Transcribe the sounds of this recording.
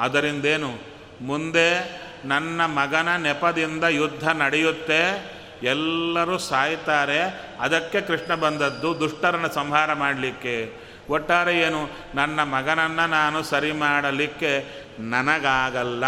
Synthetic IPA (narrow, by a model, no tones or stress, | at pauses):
ɐd̪ɐɾind̪eːnu | mund̪e̞ | nɐnːɐmɐɡɐnɐnɛpɐd̪ind̪ɐjud̪ʱːɐnɐɽɛjut̪ːe̞ | ɛlːɐɾusaːjit̪aːɾe̞ɐd̪ɐkːe̞kɾiʂɳɐbɐnd̪ɐd̪ːud̪uʂʈɐɾɐnɐsɐmɦaːɾɐmaːɽlikːe | ɔʈːaːɾeeːnu | nɐnːɐmɐɡɐnɐnːɐnaːnusɐɾimaːɽɐlikːe̞ | nɐnɐɡaːɡɐlːɐ